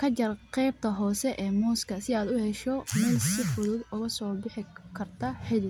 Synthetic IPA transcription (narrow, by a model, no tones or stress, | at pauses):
kʰɐt͡ʃɐrqɛːb̚t̪ʰɐɦɔːsɛʔɛːmuːskʰɐsɪaːd̪ʊhɛʃɔmɛsɪfʊðuːd̪ʊɣɐsɔːbɪħɪkʰɐrt̪ʰɐħɪlɪ